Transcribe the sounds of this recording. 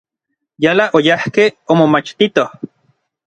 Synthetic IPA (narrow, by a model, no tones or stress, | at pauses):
jalaʔojahkeomomat͡ʃt̪it̪oh